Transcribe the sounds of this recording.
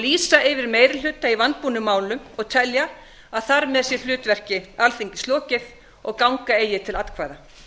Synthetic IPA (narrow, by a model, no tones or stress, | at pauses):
liːsaʔɪvɪɾmeːjɾɪl̥ʏːt̪aivant̪̚puːnʏmːaːwlʏmɔɣt̪ʰɛlja | aðθaɾmɛðsjɛl̥ʏːt̪vɛr̥cɪalθiɲcɪst̪lɔːcɪθ | ɔɣkawŋkaeːjɪt̪ʰɪlat̪kʰvaːjða